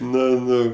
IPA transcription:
ˈnʊ ˈnʊ

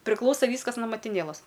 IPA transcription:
pʲrʲɪˈklˠɐʊsɐ ˈʋʲiːskɐs noː mɐtʲɪˈnʲeːlˠɐs

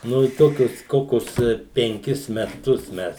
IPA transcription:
ˈnʊ ɪ ˈtoːkʲʊs ˈkoːkʲʊs pʲɛŋʲˈkʲɪs mʲɛˈtʊs ˈmʲɛs

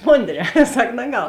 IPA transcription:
ˈmoːnʲˌdʲrʲɛː ˈsɐk nɐˈɡɐlˠ

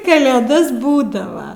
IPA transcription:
kɐlʲeːˈdɐs ˈbuːdɐʋɐ

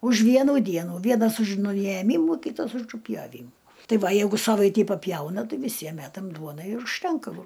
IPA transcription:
ʊʃ ˈʋʲiɛnuː ˈdʲiɛnuː ˈʋʲiɛnɐs ʊʃ nʊjɛˈmʲiːmuː ˈkʲiːtɐs ʊˈʒʊ pʲjoːˈʋʲiːmʊ ˈtɐɪ ˈʋɐ ˈjɛɪɡʊ ˈsɑːʋɐɪtʲiː pɐˈpʲjɛʊnɐ ˈtɐɪ ʋʲɪˈsʲiɛm ˈmʲætɐm ˈduɔnɐɪ ɪr ʊʃʲˈtʲɛŋkɐ ʋoː

